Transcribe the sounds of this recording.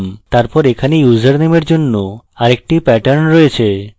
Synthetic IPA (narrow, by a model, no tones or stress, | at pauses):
mt̪aɾpɔɾekʰanejud͡ʑəɾnemeɾd͡ʑonːoaɾek̚ʈipɛʈəɾnɾɔet͡ɕʰe